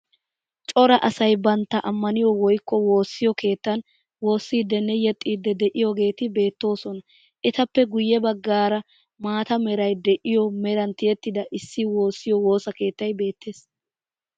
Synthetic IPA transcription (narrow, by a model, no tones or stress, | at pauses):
t͡ʃʼɔɾɐʔɐsɐjbɐnt̪ːɐʔɐmːɐnɪjɔwɔjkːɔwo̞ːsːɪjɔke̞ːt̪ːɐn | wo̞ːsːiːd̪ːɛnːɛjɛt̪ʼːiːd̪ːɛd̪ɛʔɪjɔɡe̞ːt̪ɪbe̞ːt̪ːo̞ːsɔnɐ | ʔɛt̪ɐpːɛɡʊjːɛbɐɡːaːɾɐ | maːt̪ɐmɛɾɐjd̪ɛʔɪjɔmɛɾɐnt̪ɪjɛt̪ːɪd̪ɐʔɪsːɪwo̞ːsːɪjɔwo̞ːsɐke̞ːt̪ːɐjbe̞ːt̪ːe̞ːs